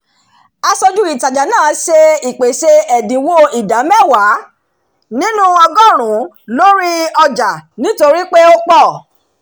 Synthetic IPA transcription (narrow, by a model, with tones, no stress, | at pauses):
a˧sɔ˧d͡ʒu˦i˦˨ta˨d͡ʒa˨nãː˦˨se˧i˨k͡pe˨se˧ɛ˨dĩ˨wo˧i˨da˨˦mɛ˦˨wa˨˦ | nĩ˦nũ˦ɔ˧ɡɔ˦˨ɾ̃ũ˨˦ | lo˦ɾi˦ɔ˧d͡ʒa˨nĩ˨˦to˧ɾi˦k͡pe˦o˦k͡pɔ˦˨